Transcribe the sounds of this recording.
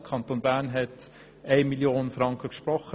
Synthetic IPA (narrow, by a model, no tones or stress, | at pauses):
kʰɑnt̪onbæːɾnɦɛt | eɪmiljoːnəfɾɑŋkʰəkʃpɾɔχə